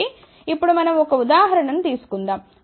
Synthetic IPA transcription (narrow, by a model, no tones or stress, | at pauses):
i | ipːuɽumɐnɐmɔkɐud̪aːɦɐɾɐɳɐnut̪iːsu̥kund̪aːm